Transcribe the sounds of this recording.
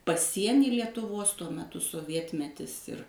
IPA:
pɐˈsʲiɛnʲiː lʲiɛtʊˈʋoːs tuɔ mʲɛˈtʊ soːˈʋʲiɛtʲmʲɛtʲɪs ɪr

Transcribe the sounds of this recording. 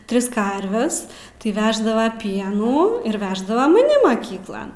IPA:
ˈtʲrʲɪs ˈkɐrʲʋʲɛs tɐɪ ˈʋʲæːʒdɐʋɐ ˈpʲiɛnuː ɪr ʋʲɛʒdɐʋɐ mɐˈnʲɪ mɐˈkʲiːklˠɐn

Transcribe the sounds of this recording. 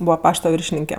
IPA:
ˈbuːʋɐ ˈpɑːʃtɐ ˈʋʲɪrʲʃʲɪnʲɪŋʲkʲɛ

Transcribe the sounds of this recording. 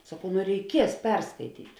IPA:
sɐˈkɐʊ nʊ rʲɛɪˈkʲiɛs ˈpʲɛrskɐɪtʲiːtʲ

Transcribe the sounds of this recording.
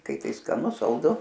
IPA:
ˈkɐɪ ˈtɐɪ skɐˈnʊ sɐlˠˈdʊ

